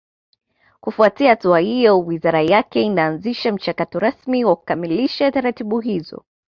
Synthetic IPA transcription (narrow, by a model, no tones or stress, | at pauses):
kufuatiahatuahijɔwizaɾajakɛinaːnziʃam̩t͡ʃakatɔɾasmiwaku̥kamiliʃataɾatiɓuɦizɔ̰